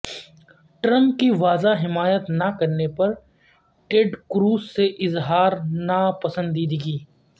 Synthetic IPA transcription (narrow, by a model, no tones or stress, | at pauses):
ʈɾɐ̃mp̚kiʋaːzaɦɪmaːjət̪nɐkɐɾnepɐɾ | ʈeɖkɾuːsseʔɪzɦaːɾnɐpɐsə̃nd̪iːd̪iɡiː